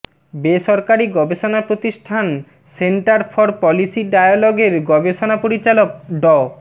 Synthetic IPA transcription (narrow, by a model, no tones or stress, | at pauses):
beʃɔɾkaɾiɡɔbeʃonapɾot̪iʃʈʰan | seɳʈaɾfʰɔɾpɔlisiɖajaloɡeɾɡɔbeʃonapoɾit͡ɕalok̚ɖɔ